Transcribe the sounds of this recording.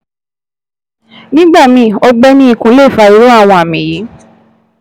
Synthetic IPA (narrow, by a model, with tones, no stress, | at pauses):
nĩ˦ɡ͡ba˦˨mĩ˧ɔ˧ɡ͡bɛ˦nĩ˦i˦˨kũ˧˦le˦˨fa˧i˧˦ɾo˦a˦˨w̃ɔ̃˧a˨mĩ˨ji˨˦